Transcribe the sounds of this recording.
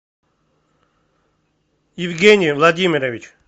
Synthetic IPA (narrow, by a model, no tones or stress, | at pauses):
jɪvɡʲenʲijvlˠad̪ʲimʲiɾəvʲit͡ʃ